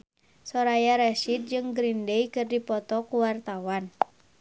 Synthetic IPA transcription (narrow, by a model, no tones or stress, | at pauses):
sɔɾajaɾɛsit̪̚d͡ʒɨŋɡɾindejkɨrdipɔt̪ɔkuwart̪awan